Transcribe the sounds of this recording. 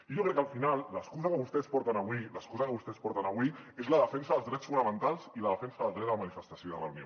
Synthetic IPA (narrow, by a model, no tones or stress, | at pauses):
iʒokɾɛkːəlˠfinalˠːəskuzakəβust̪ɛspɔɾt̪ənəβwiləskuzakəβust̪ɛspɔɾt̪ənəβwiezləðəfɛnsəðəlˠzðɾɛt̪sffunəmənt̪alˠziləðəfɛnsəðəlˠd̪ɾɛt̪əmanifəst̪asjoðələ̰wnio̰